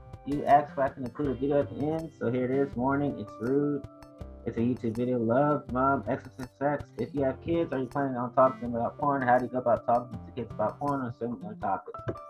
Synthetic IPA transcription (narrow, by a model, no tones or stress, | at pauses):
jɨʔæssfaɪkɨ̃n̩ɨ̃nkʰl̥uɾɨvɪɾiʊɨt̪̚ðiɛ̃nd̥soʊɦiɹɨɾɪzwɔɹnɪ̃ŋɪ̰tsɹʉɾɨtsɨjʉtʰʉbvɪɾioʊlʌvmʌ̃mɛksəsɨ̃nsɛksɪfjɨːv̥kʰɪdzə˞jɨpʰl̥ẽɪɪ̃ŋə̃n̩tʰɔkɪ̃ðɨ̃ŋəbaʊt̚fʰʌɹ̃nhaʊɾɨjɨɡoʊəbaʊtʰɔkɪ̃ŋɨ̃mtʰɨkʰɪdzəbaʊt̚fʰʌ̃ɹnə̃sɛ̃ə̃tʰɑ̰pɪk